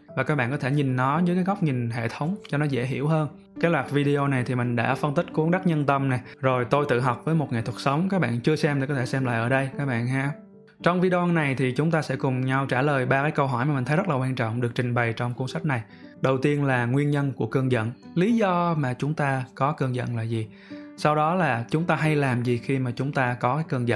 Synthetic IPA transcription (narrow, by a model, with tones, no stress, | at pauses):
vaː˨˩kaː˦˥k̚ɓa̰ː˧˨ŋkɔ˨˦t̪ʰe˧˩ɲï˨˩nnɔ˨˦zəː˦jkaː˨˦jɣa˦˥k͡p̚ɲi˨˩nɦḛ˧˨t̪ʰə˨˦wŋ͡mt͡ɕɔ˧nɔ˨˦zḛ˧˥ɦḭ˧˩əwɦəː˧n | kaː˨˦jlwaː˨˩vi˧ɗi˧o˧na˨˩jt̪ʰi˨˩mï˨˩ŋ̟ɗa̰ː˧˥fə˧nt̪ï˦˥k̚ku˨˦əŋɗə˦˥k̚ɲə˧nt̪ə˧mnɛ˨˩zo˨˩jt̪o˧jt̪ɨ̰˧˨ɦɔ˨˩wk͡p̚vəː˨˦jmo˨˩t̚ŋa˨˩jt̪ʰt̚sə˨˦wŋ͡mkaː˦˥k̚ɓa̰ː˧˨nt͡ɕɨ˧əsɛ˧mt̪i˨˩kɔ˨˦t̪ʰe˧˩sɛ˧mla̰ː˧˨ʔəː˧˩ɗə˧jkaː˦˥k̚ɓa̰ː˧˨nɦa̰ː˧˥ | t͡ɕɔ˧wŋ͡mvi˧ɗwa˧nːa˨˩jt̪ʰi˨˩t͡ɕʊ˨˦ŋ͡mt̪aː˧sɛ̰˧˥kʊ˨˩ŋ͡mɲa˧wt͡ɕaː˧˩ləː˨˩jɓaː˧kaː˨˦jkə˧wɦɔ˧˩jmaː˨˩mi˨˩ŋ̟t̪ʰə˨˦z̚laː˨˩kwaː˧nt͡ɕɔ̰˧˨wŋ͡mɗɨ˨˩ək̚t͡ɕï˨˩ŋ̟ɓə˨˩jt͡ɕɔ˧wŋ͡mku˧əŋsa˦˥k̚na˨˩j | ɗə˨˩wt̪i˧ənlaː˨˩ŋwi˧ənɲə˧nku˧˩əkə˧əŋzə̰˧˨nli˨˦zɔ˧maː˨˩t͡ɕʊ˨˦ŋ͡mt̪aː˧kɔ˨˦kɨː˧əŋzə̰˧˨nlaː˨˩zi˨˩ | sa˧wɗɔ˨˦laː˨˩t͡ɕʊ˨˦ŋ͡mt̪aː˧ɦa˧jlaː˨˩mzi˨˩xi˧maː˨˩t͡ɕʊ˨˦ŋ͡mt̪aː˧kɔ˨˦kaː˨˦jkɨ˧əŋzə̰˧n